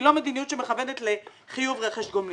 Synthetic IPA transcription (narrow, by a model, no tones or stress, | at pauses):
lomed̪inijutʃemeχavenetle | χijuvʁeχeʃɡoml